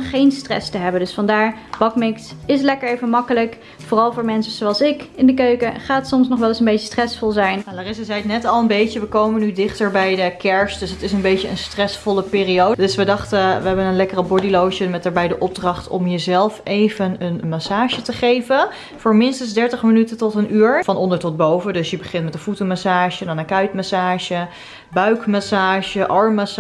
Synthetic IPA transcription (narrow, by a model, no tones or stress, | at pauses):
χejnstrɛ̰stəɦɛbəndɵsfɑndaːɹb̥ɑkmɪksɪslɛkəɹejvənmɑkələk | fʊːrɑlˠvʊːɹmɛnsəzoɑlˠsɪkɪndəkøɥkəχaːtsɔmsnɔχʋɛlˠɪsənbejtəstrɛsfɔlˠzɛjnnadaːrɪsəzɛjtnɛtɑlˠənbejcəʋəkowmənydɪχtəɹbɛjdəkɛɹsdɵsɦətɪsənbejtəənstrɛsfɔləpɪːriowddɵsʋədɑχtəʋəɦɛbənənlɛkərəbɔɹdilowʒənmɛtəɹbɛjdəʔɔb̚drɑχtɔ̰mjəzɛlˠfʔejvənənmasaːʒətəχejvən | fʊːɹmɪnstənzdɛɹtəχmənytətɔtənyːɹfɑnɔndəɹtɔt̚bowvədɵsjəbəχɪntmɛtənfutəmasaːʒədɑnənkœɥtmasaːʒə | bœɥkmasaːʒəʔɑɹmːas